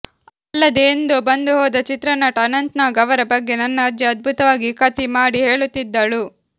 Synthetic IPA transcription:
ɐlːɐd̪eːnd̪ubɐnd̪uɦɔːd̪ɐt͡ʃit̪ɾɐnɐʈɐnɐnt̪naːɡɐʋɐɾɐbɐɡːe̞nɐnːɐd͡ʒ̪jɐɐd̪̚bʱut̪ɐʋaːɡikɐt̪imaːɽiɦe̞ːɭut̪ːid̪ːɐɭu

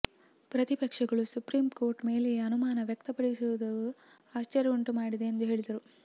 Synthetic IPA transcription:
pɾɐt̪ipɐkʂɐɡɐɭusupɾiːmko̞ːɾʈme̞ːleɐnumaːnɐʋjɐkt̪ɐpɐɽisuʋd̪ɐʋu | aːʃt͡ʃɐɾjɐuɳʈumaːɽid̪eːnd̪uɦe̞ːɭid̪ɐɾu

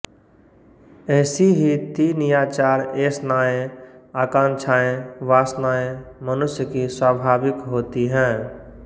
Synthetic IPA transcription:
ɛːsiɦit̪inɪjaːt͡ʃaːɾesnaːẽaːkãːnt͡ʃʰaːẽʋaːsnaːẽmənʊsjəkiswaːbʱaːbɪkɦoːt̪iɦɛ̃ː

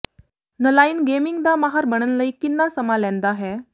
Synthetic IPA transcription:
nəlaiːnɡemiŋɡd̪amaɦaɾbəɽ̃ənləikinːasəmalɛ̃nd̪aɦɛ

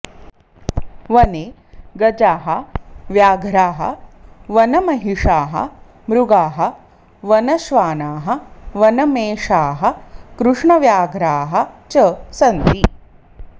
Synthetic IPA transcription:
ʋɐneː | ɡɐd͡ʒaːɦɐ̆ʋjaːɡʱɾaːɦɐ̰ʋɐnɐmɐɦiʂaːɦɐ̰ | mɾuɡaːɦɐ | ʋɐnɐʃʋaːnaːɦɐ̆ʋɐnɐmeːʂaːɦɐ̆kɾuʂɳɐʋjaːɡʱɾaːɦɐ̆t͡ʃɐsɐnt̪i

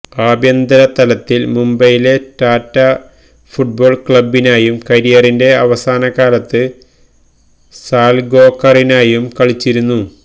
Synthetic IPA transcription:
aːbjɐnd̪ɐɾɐt̪ɐlɐt̪ːilmumbɐjile̞taːtːɐ | fuʈ̚bo̞ːɭkɭɐbːinaːjumkɐɾijɐrinde̞ɐʋɐsaːnɐkaːlɐt̪ːɨ | saːlɡo̞ːkːɐrinaːjumkɐɭit͡ɕːiɾunːu

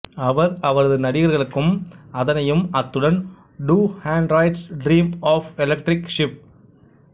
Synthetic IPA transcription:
ɐʋɐɾɐʋɐɾɐðɯnɐɽɪɣɐɾɣɐɭɯkːɯmɐðɐnɐjɯmɐt̪ːɯɽɐn | ɖuːhaːɳɖɾɐɪʈsɖɾiːmaːfɛlɐk̚ʈɾɪkʂɪp̚

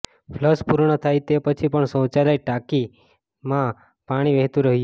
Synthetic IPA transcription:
fʰləspuɾɳət̪ʰajt̪epət͡ʃʰipəɳsə̃w̃t͡ʃalajʈaki | mã | paɽ̃iʋeɦt̪ũɾəɦj

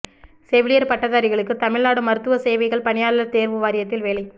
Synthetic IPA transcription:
seːʋɪɭɪjɐɾpɐʈːɐðaːɾɪɣɐɭɯkːɯt̪ɐmɪɭnaːɽɯmɐɾɯt̪ːɯʋɐseːʋɐɪɣɐɭpɐɳɪjaːɭlɐɾt̪eːɾʋɯʋaːɾɪjɐt̪ːɪlʋeːlɐɪ

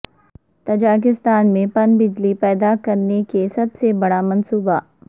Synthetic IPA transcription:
t̪ɐd͡ʒaːk̬ɪst̪aːnmẽpɐnbɪd͡ʒlipɛːd̪akɐɾnekesɐbsebɐɽamɐnsuːba

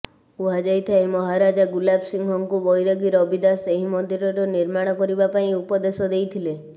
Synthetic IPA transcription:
uɦad͡ʒajt̪ʰaimɔɦaɾad͡ʒaɡulabsiŋɡʱɔŋkubɔjɾɔɡiɾɔbid̪aseɦimɔnd̪ʱiɾɔɾɔniɾmaɽ̃ɔkɔɾibapaĩupɔd̪esɔd̪ejt̪ʰile

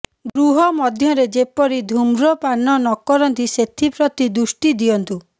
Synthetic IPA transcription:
ɡɾuɦɔmɔd̪ʱjɔɾed͡ʒepɔɾid̪ʱumɾɔpanːɔnɔkːɔɾɔnt̪iset̪ʰipɾɔt̪id̪usʈid̪ijɔnt̪u

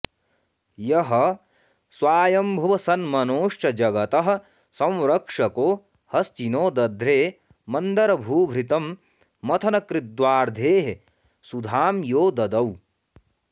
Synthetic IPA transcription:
jɐɦɐ̆ | swaːjɐmbʱɐʋɐsɐnmɐnoːʂɐd͡ʒɐɡɐt̪ɐɦɐ̆ | sɐ̃w̃ɾɐkʂɐkoː | hɐst͡ʃinoːd̪ɐd̪ʱɾeː | mɐnd̪ɐɾɐbʱuːbʱɾit̪ɐmː | ɐt̪ʰɐnɐkɾid̪waːɾd̪ʱeːɦe | sud̪ʱaːmjoːd̪ɐd̪ɐw

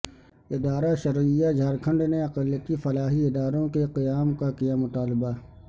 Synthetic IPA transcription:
ɪd̪aːɾaʃɐɾɪjːad͡ʒʱaːɾkʰə̃ɳɖneɐqəljət̪ifɐlaːɦiɪd̪aːɾõkeqɪjaːmkakijamʊt̪aːlɪba

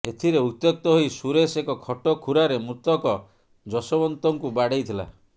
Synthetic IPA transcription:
et̪ʰiɾeut̪ːjɔk̚t̪ɔɦojsuɾesekɔkʰɔʈɔkʰuɾaɾemut̪ɔkɔ | d͡ʒɔsɔbɔnt̪ɔŋkubaɽejt̪ʰila̰

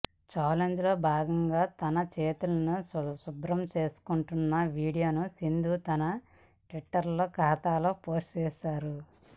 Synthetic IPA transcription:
t͡ʃaːleɲd͡ʒlo̞ːbʱaːɡɐŋɡaːt̪ɐnɐt͡ʃeːt̪ulɐnusubɾɐmt͡ʃe̞ːsu̥kuɳʈunːɐʋiːɽijo̞ːnusind̪ʱuːt̪ɐnɐ | ʈʋiʈːɐɾlo̞ːkaːt̪aːlo̞ːpoːst͡ʃeːsaːɾu

